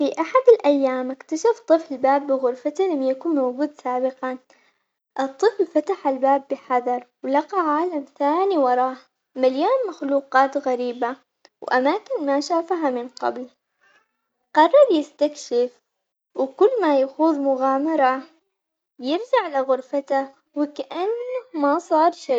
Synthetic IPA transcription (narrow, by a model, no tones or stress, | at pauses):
fiʔaħad̪ɪlʔajːaːmɪkt̪aʃaft̪ˤɨflɪbaːbːɪɣʊɾfat̪ilamjakuːnmawɡuːd̪saːbɪqɑn | ʔɨt̪ˤːɨflfat̪aħalbaːbːɪħɑðˤɑɾˤwlɑqɑʕaːlamθaːniwɑɾˤɑːh | maljoːnmaxluːqɑːt̪ɣaɾiːba | wʔamaːkɪnmaʃaːfaɦamɪnqɑ̰bl | qɑrˤːɑɾˤjɪst̪akʃɪf | wɪkʊlːmajaxuːðmʊɣaːmɑɾˤɑ | jɪɾd͡ʒaʕlaɣʊɾfat̪a | wɪkaʔanːamasˤɑːɾˤʃa